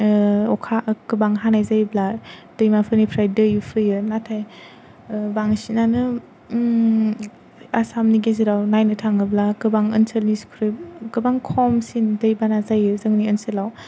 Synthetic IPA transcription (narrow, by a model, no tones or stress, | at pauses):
ɔkʰakɯbaŋɦanajzajblad̥ɯjmapʰɯnipʰɾajdɯjupʰɯjɯnatʰaj | baŋsinanɯ | asamniɡeziɾawnajnɯtʰaŋɯblakɯbaŋɯnsəlniskʰɾɯp̚kɯbaŋkʰɔmsindɯjbanazajɯzɯŋniənsəlaw